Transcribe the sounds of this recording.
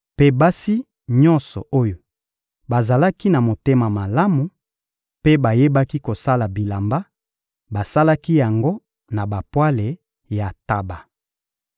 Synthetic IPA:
pe˨ba˦si˦ | ɲɔ̃˦nsɔ̰˨o˦jo˨ | ba˨za˨la˦ki˦na˨mo˨te˦ma˨ma˨la˦mu˨ | pe˦ba˨je˦ba˦ki˦ko˨sa˦la˨bi˨la˨mba˦ | ba˨sa˦la˦ki˦ja˨ŋɡo˦ | na˨ba˨pwa˦le˨ | ja˨ta˨ba˨

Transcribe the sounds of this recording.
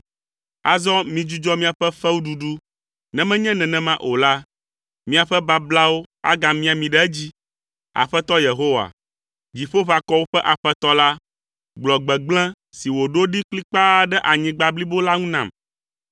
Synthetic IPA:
a˨zɔ˦mĩ˨d͡ʒu˦d͡ʒɔ˦mĩ˦a˨ɸɛ˦ɸɛ˦wu˦ɖu˨ɖu˦ | nɛ̃˨mɛ̃˦ɲɛ̃˦nɛ̃˨nɛ̃˨mã˦ʔo˨la˦ | mĩ˦a˨ɸɛ˦ba˦bla˦wo˦a̰˦ɡa˨mĩ˦a˨mĩ˨ɖɛ˦ɛ˦d͡ʑi˦ | a̰˨ɸɛ˦t̪ɔ˦je˨ɦo˦wa̰˨ | d͡ʑi˨ɸo˦βa˨kɔ˦wo˦ɸɛ˦ʔa˨ɸɛ˦t̪ɔ˦la˦ | ɡ͡blɔ˨ɡ͡bɛ˨ɡ͡blɛ̃˦ | si˨wo˨ɖo˦ɖi˦kli˦k͡pa˦ɖɛ˦ʔa˨ɲĩ˦ɡ͡ba˨bli˦bo˦la˦ŋũ˦nã˨m

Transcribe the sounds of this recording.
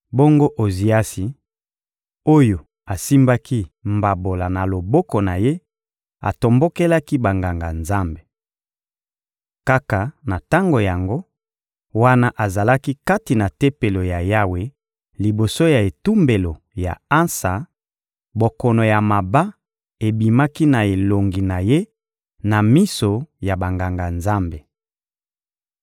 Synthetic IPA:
bo˦ŋɡo˦ʔo˨zi˨a˦si˨ | o˦jo˨ | a˨si˦mba˦ki˦mba˨bo˨la˨na˨lo˨bɔ˦kɔ˨na˨je˦ | a̰˨to˨mbo˦ke˦la˦ki˦ba˨ŋɡa˨ŋɡa˨nza˦mbe˨ | ka˦ka˨na˨ta˦ŋɡo˨ja˨ŋɡo˦ | wa˦na˦ʔa˨za˨la˦ki˦ka˦ti˨na˨te˦pe˨lo˨ja˨ja˦we˨ | li˨bo˨so˦ja˨e˨tu˦mbe˨lo˨ | ja̰˨a˦nsa˨ | bo˨kɔ˨no˨ja˨ma˨ba˦ | e˨bi˨ma˦ki˦na˨e˨lo˨ŋɡi˨na˨je˦ | na˨mi˦so˨ja˨ba˨ŋɡa˨ŋɡa˨nza˦mbe˨

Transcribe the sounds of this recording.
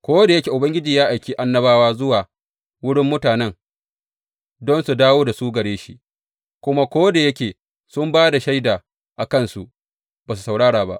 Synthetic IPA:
kʷoː˦da˨jɐ˦kʲeː˨ʔʊ˨bɐ˦ŋɡʲɪ˦d͡ʒiː˨jaː˦ʔa˨jkʲeː˦ʔa˦nːɐ˦baː˦waː˦zʊ˦waː˨ | wʊ˦ɽɪ˦mːʊ˦taː˨nɛ˦ŋ | dɔ˦nsu˨daː˦woː˦da˨suː˦ɡɐ˨ɽeː˦ʃi˦ʔ | kʷʊ˦ma˦kʷoː˦da˨jɐ˦kʲeː˨ | sʊ˦mbaː˦da˨ʃa˦jdaː˨ | ʔa˨kɐ˦nsu˨ʔ | b̥aː˨su̥˨sa˨wɽaː˦ɽaː˨ba̰˦ʔ

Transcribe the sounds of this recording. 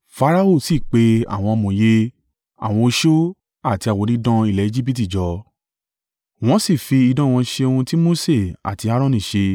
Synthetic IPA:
fa˧ɾa˦o˦˨si˦˨k͡pe˧a̰˦˨w̃ɔ̃˧o˧mũ˨je˧˦ | a̰˦˨w̃ɔ̃˧o˧ʃo˦ | a˦˨ti˧˦a˨wo˨˧ɾĩ˦dɔ̃˦i˦˨lɛ˨˦i˦˧d͡ʒi˦bi˦t̬i˦˨d͡ʒɔ˨˦ | w̃ɔ̃˦si˦˨fi˧i˧dɔ̃˦˨w̃ɔ̃˧ʃe˧o˧hũ˧ti˦mo˦se˦˨a̰˨ti˨˧˦a˧˦ɾɔ̃˦˨nĩ˨ʃe˧

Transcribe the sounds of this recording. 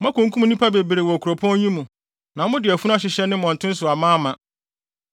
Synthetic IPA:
ã˦kũ˨ŋ˦kʰũ˦m˦nĩ˦pʰa˦be˨bɾe˨wɔ˨æ˨kʰu˨ɾo˨pʰɔ̃˦ɲĩ˦mũ˨ | nã˨mʊ̃˦dɪ˨æ˨fu˦ñ˦a˦ɕ̬ɪ˨ɕɛ˦nɪ̃˦mɔ̃˨n˨tʰʊ̃˦n̩˦sʊ˨a˨mãː˦mã˨

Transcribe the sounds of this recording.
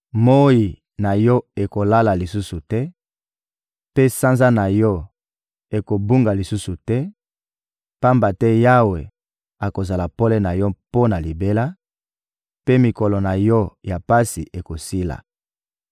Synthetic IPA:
mo˦ji˨ | na˨jɔ˦e˨ko˨la˦la˨li˨su˦su˨tɛ˦ | pe˦sa˦nza˦na˨jɔ˦ | e˨ko˨bu˦ŋɡa˨li˨su˦su˨tɛ˦ | pa˦mba˨tɛ˦ja˦we˨ | a˨ko˨za˨la˨po˦lɛ˦na˨jɔ˦po˦na˨li˨be˦la˦ | pe˦mi˨kɔ˨lɔ˨na˨jɔ˦ja˨pa˦si˨ʔe˨ko˨si˦la̰˨

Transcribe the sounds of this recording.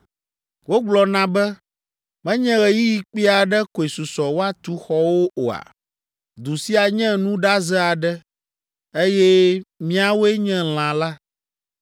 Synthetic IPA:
wo˦ɡ͡blɔ˨nã˦bɛ˦ | mɛ̃˦ɲɛ̃˦ɣɛ˨ji˦ji˦k͡pi˦a˨ɖɛ˦ko˨e˨su˨sɔ˨wo˦a˦t̪u˦xɔ˦wo˦o˨a̰˨ | d̪u˨si˦a˨ɲɛ̃˦nũ˦ɖa˦zɛ˦a˨ɖɛ˦ | e˦jɛ˦mĩ˦a˨wo˦ɛ˦ɲɛ̃˦l̃ã˨la˦

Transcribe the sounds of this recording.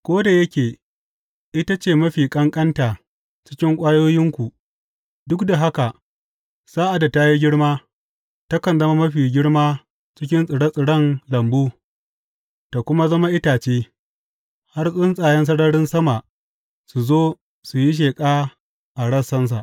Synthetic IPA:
kʷoː˦da˨jɐ˦kʲeː˨ | ʔɪ˦ta˦t͡ʃeː˨mɐ˦ɸiː˨kʼɐ˦ŋkʼɐ˦ntaː˨ | t͡ʃɪ̥˦kʲɪ˦ŋkʷʼaː˦joː˦jɪ˦ŋkʷu˨ | dʊ˦kda˨ɦa˦ka˨ʔ | saː˦ʔa˨da˨ta˦ji˦ɡʲɪ˦ɽmaː˦ | ta˦kɐ˨nzɐ˦ma˦mɐ˦ɸiː˨ɡʲɪ˦ɽmaː˦ | t͡ʃɪ˦kʲɪ˦nsʼɪ˨ɽɐ˦sʼɪ˨ɽɐ˦nlɐ˨mbuː˦ | ta˨kʷʊ˦ma˦zɐ˦ma˦ʔɪ˦taː˨t͡ʃeː˦ | ha˦rsʼʊ˦nsʼaː˨jɛ˦ns̬ɐ˦ɽɐ˦ɽɪ˦nsɐ˦ma˨ʔ | su˨zoː˦ | su˨ji˦ʃ̬eː˨kʼaː˦ | ʔa˨ɽɐ˦˨sːɐ˦ns̬a˨ʔ

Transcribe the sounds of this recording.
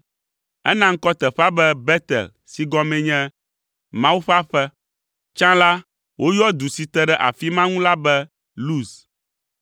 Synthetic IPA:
ɛ̰˦nã˦ŋ̩˦kɔ˦t̪ɛ˨ɸa˦bɛ˦bɛ˦t̪ɛ̰˨l | si˨ɡɔ˦mɛ̃˨ɲɛ̃˦ | mã˦wu˦ɸa˦ɸɛ˦ | t͡ʃã˦la˦ | wʔo˦jɔ˦d̪u˨si˨t̪ɛ˨ɖɛ˦ʔa̰˨fi˦mã˦ŋũ˦la˦bɛ˦ | lu˦s

